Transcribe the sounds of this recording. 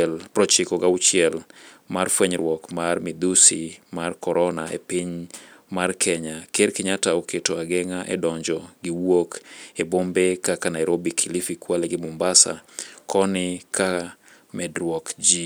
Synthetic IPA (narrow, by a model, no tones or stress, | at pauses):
ɛlpɾɔt͡ʃikoɡaut͡ʃjɛlmarfweɲɾwɔkmarmid̪usimarkɔɾɔnaḛpiɲmarkʰɛɲakeɾkɪɲataoketoaɡɛŋaʔḛdɔɲd͡ʒɔɡiwokebombekakanaɛɾobikʰilifikwaleɡɪmʊmbasa̰kʰɔnɪkʰa | mɛdɾwɔkd͡ʒi